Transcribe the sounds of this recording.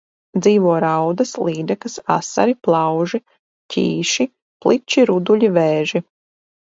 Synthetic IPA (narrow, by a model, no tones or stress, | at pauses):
d̪ziːʋuɔɾawd̪ɐslˠiːd̪ɛkɐsa̰sa̰ɾiplˠɑwʒi | cʰʲḭːʃi | plˠit͡ʃiɾud̪uʎʲiveːʒi